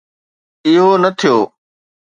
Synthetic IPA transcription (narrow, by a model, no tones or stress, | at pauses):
ɪɦoːnət̪ʰɪjoː